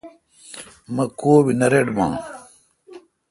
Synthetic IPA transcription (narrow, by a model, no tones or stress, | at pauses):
mɐkoːbinɐɾeɖbã̰ː